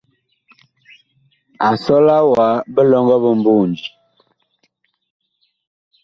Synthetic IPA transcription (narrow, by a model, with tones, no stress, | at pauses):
a˨sɔ˦la˦wa˨˦bə˦lɔ˦ŋɡɔ˦bə˦˨mbu˦˨nd͡ʒi˨